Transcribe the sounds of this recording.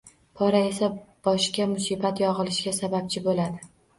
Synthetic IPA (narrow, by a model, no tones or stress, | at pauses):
pʰɒɾae̞sab̥ɒʃkʲamʊsibat̪jɒʁɨlˠɪʃɡʲasabap̚t͡ʃʰɪbolad̪ɪ